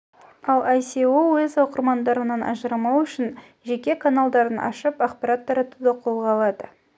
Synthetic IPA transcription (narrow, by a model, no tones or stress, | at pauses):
ɑlˠɑjseowezɑwqəɾmɑnd̪ɑɾənɑnʔɑ̰ʒəɾɑmɑwʏʃɪn | ʒe̞kʲe̞kʰanalˠd̪ɑɾənʔɑ̰ʃəpaqpaɾat̪ːɑɾɑt̪ud̪ɑqʰo̞lˠʁɑlˠɑd̪ə